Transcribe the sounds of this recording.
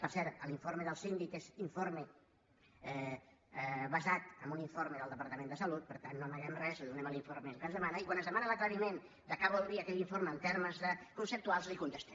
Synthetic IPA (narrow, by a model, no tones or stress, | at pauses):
pəɾsɛɾt̪əlˠiɱfoɾmeðəlˠsind̪ikeziɱfoɾme | ɛ | βəzat̪əmbuniɱfoɾmeðəlˠd̪əpəɾt̪əmẽnd̪əsəlut̪̚pəɾt̪anːoməɣɛmrɛzðunɛməliɱfoɾmelkənzðəmanəikwanəzðəmanələkləɾimen | d̪əkaβulˠd̪ɾiəkɛʎiɱfoɾməːnt̪eɾməzðəkunsəp̚t̪ualˠzlikunt̪əst̪ɛ